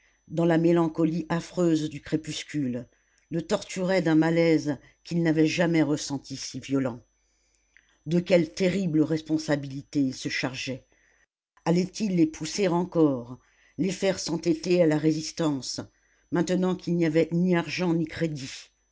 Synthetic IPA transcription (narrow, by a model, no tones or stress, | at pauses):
d̪ɑ̃lamelɑ̃kɔliʔafχøzd̪ykχepyskʲylː | ət̪ɔʁt̪yʁɛd̪ɛ̃malɛz | kʲilnavɛʒamɛʁəsɑ̃t̪isivjɔlɑ̃ | d̪əkʲɛlt̪eʁibləʁɛspɔ̃sabilit̪eilsəʃaʁʒɛ | alɛt̪ʰilːepʰuseʁɑ̃kɔʁ | lefɛʁsɑ̃t̪et̪ealaʁezist̪ɑ̃s | mɛ̃t̪ənɑ̃kʲʰilnijavɛniaʁʒɑ̃nikχed̪i